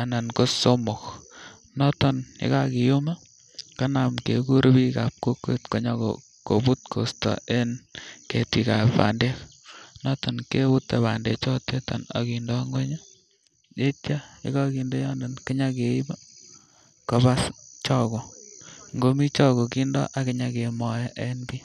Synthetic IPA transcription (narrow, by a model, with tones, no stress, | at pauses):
a˨na˨nko˦so˦mo˨k | nɔ˦tɔnɪ̰˦ka˦ki˨ju˦ma˦ | ka˦na˨mke˨ku˦ɾbi˦ka˨p̚ko˦kwe˦tko˦ɲɔ˦kɔ̰ | ko˨bu˦t̚kʰo̰˨stɔ̰˨e˦nke˨twi˨ka˨ppa̰˨nde˦k | nɔ˦tɔ˨nke˦wu˦tːe˨ba˨ndḛ˨t͡ʃɔ˦te˦tɔ̰˨na̰ki˨ndɔ˦ŋɡwe˦ɲa˦ | je˦tja˦jɪ̰˦ka˦ki˨ndo˦jɔ˦ndo˨nkɪ˦ɲa˦ke˨i˦ba | ko˨ba˦st͡ʃɔ˦ko˨ŋɡo˦mi˦t͡ʃɔ˦ko˨ki˦ndɔ̰˦ʔa˨kɪ˦ɲa˨ke˨mɔ˨jɛ˦ʔe˦nbi˦